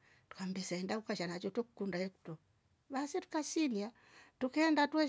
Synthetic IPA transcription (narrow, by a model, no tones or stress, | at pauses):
tu̥kambɛsaɛndakukaʃanat͡ʃɔtɔku̥kundaɛku̥tɔ | βasɛtu̥kasilia | tukɛːndatwɛ